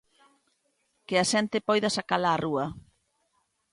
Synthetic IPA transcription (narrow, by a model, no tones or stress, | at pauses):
kɪaʃɛnt̪ɪpɔjðɐsakalaːruɐ